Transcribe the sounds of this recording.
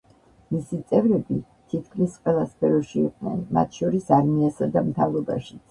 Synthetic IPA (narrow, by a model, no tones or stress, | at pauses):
misit̪sʼɛvɾɛbi | t̪ʰit̪ʰkʰlisqʼwɛlˠaspʰɛɾɔʃiṵqʼnɛ̰nma̰t̪ʰʃɔɾisaɾmiasad̪amt̪ʰavɾɔba̰ʃi̥t̪sʰ